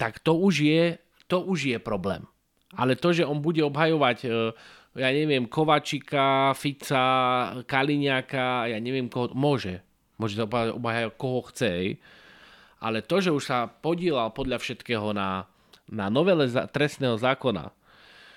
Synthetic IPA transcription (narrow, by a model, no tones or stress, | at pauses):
t̪akt̪ɔuʒjɛ | t̪ɔʔuʒjɛpɾɔblɛ̰ːm | ʔalɛt̪ɔʒɛɔnbuɟɛɔbɦajɔʋacː | jaːɲɛʋɪɛmkɔʋaːt͡ʃikafit͡sakaliɲɪakajaːɲɛʋɪɛmkɔɦɔmʊɔʒɛ | mʊɔʒɛsaɔbɦaɔ̰bɦajajɔkɔɦɔxt͡sɛɛj | ʔa̰lɛt̪ɔʒɛuʃsapɔɟɪɛlalpɔd̪lʎafʃɛt̪kɛːɦɔna | nanɔʋɛlɛzat̪ɾɛst̪nɛːɦɔzaːkɔna̰